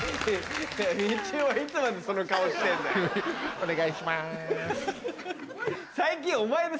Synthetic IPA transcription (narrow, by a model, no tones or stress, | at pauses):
ait͡ɕɨːβait͡sɨmad̪e̞so̞no̞kaoɕi̥t̪ẽnd̪aone̞ɡaiɕima | saikʲĩomaed̪e